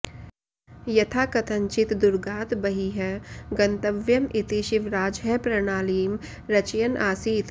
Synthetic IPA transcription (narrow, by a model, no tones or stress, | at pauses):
jɐt̪ʰaːkɐt̪ʰə̃ɲt͡ʃɪt̪d̪ʊɾɡaːt̪bɐɦiɦɛɡɐnt̪əʋjəmʔɪt̪iʃɪʋɾaːd͡ʒɦɛpɾɐnaːliːm | ɾɐt͡ʃjənʔaːsiːt̪